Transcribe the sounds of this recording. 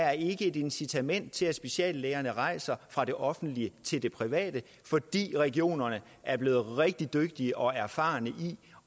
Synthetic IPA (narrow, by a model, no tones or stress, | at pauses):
æɐe̝ɡ̥əe̝de̝nsit͡sʰæmen̰d̥̚t͡sʰe̝læ̥sb̥e̝ɕɛ̰ːlːeːɐnəʁɑ̈ɪ̰sɐfʁɑ̈d̥e̝ʔɒ̽fn̩d̥liət͡sʰe̝ld̥e̝pʰʁiʋɛ̰ːd̥ə | fɒ̽d̥ḭːʁɛɡ̥io̝̰ːnɐnə | æɐb̥le̝ːð̩ˠʁɛɡ̥̚d̥id̥øɡ̥̚d̥iəʔɒ̽æɐfɑ̰̈ːnəʔi